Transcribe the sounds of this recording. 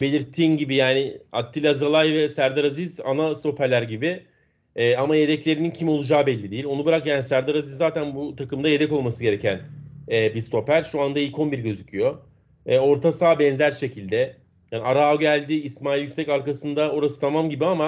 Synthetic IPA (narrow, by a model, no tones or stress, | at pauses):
belʲiɾt̪ʰinɟibijaːnɪa̰t̪ʰːilʲazalˠajvɛsæɾd̪aɾaziza̰nast̪o̞pʰæɾlʲæɾɟibi | ɛːamaje̞d̪ɛclʲe̞ɾinincʰimo̞lˠud͡ʒaːbɛlʲːid̪eilʲo̞nubɯɾakjaːnisæɾd̪aɾazizːaːt̪ʰænbut̪ʰakɯmd̪aje̞d̪ɛko̞lˠmasɯɟe̞ɾe̞cʰænɛːbist̪ʰo̞pæɾʃuand̪ailkʰo̞nbiɾɟø̞zycʰyjo̞ | ɛo̞ɾt̪ʰasaːbɛnzæɾʃe̞cʰilʲd̪ɛ | jaːniaɾaɟælʲd̪ɪːsmaːilʲjykʲsɛcaɾkasɯnd̪ao̞ɾasɯ̥t̪ʰamamɟibiama